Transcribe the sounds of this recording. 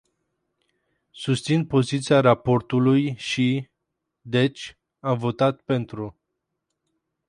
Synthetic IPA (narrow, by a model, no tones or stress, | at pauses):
sust̪sinpo̞zit̪siaɾapo̞rt̪ulujʃi | d̪e̞t͡ʃʲ | amvo̞t̪at̪̚pe̞nt̪ɾu